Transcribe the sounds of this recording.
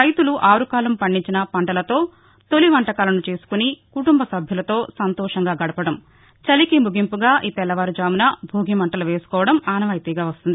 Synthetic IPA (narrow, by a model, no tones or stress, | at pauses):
ɾɐjt̪uluʔaːɾukaːlɐmpɐɳːiɲt͡ʃinɐpɐɳʈɐlɐt̪o̞ː | t̪o̞liʋɐɳʈɐkaːlɐnut͡ʃe̞ːsu̥kunikuʈumbɐsɐbʱjɐlɐt̪o̞ːsɐnt̪ɔːʂɐŋɡaːɡɐɽɐpɐɽɐm | t͡ʃɐlikimuɡimpuɡaːʔiːpɛlːɐʋaːɾud͡ʒaːmunɐbʱuːɡimɐɳʈɐluʋe̞ːsu̥kɔːʋɐɽɐmaːnɐʋɐjt̪iːɡaːʋɐst̪und̪i